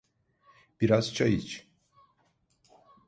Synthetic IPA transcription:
b̥iɾaz̥t͡ʃʰajɯt͡ʃ

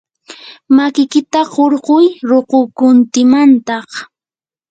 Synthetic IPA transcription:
makɪkɪt̪aɢoɾɢʊjɾoqʊkʊnt̪ɪmant̪ɑχ

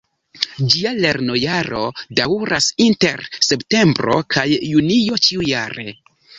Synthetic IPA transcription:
d͡ʒiale̞ɾno̞jaɾo̞dawɾasinte̞ɾse̞pte̞mbɾo̞̰kʰajːunijo̞t͡ʃiujaɾe̞̰

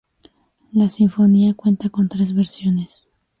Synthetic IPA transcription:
lasiɱfo̞niakwe̞nt̪ako̞nt̪ɾe̞zβeɾsjo̞nes

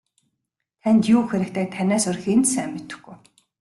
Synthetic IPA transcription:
t̪ʰænt̪juːxeɾɘ̆k̚t̪ʰæːk̚t̪ʰænʲæːsʊrxent̪sæːmːet̪ɘ̥̆xɡuj

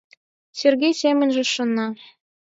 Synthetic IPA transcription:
sʲerɡʲejsʲemʲɘ̆nʲʒɘ̆ʃŏnːɑ

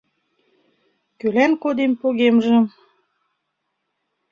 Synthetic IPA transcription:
kølænkod̪empoɣemʒə̆m

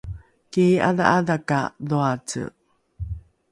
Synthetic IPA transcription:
kia̰ða̰ʔaðaka̰ðoat͡sə̰

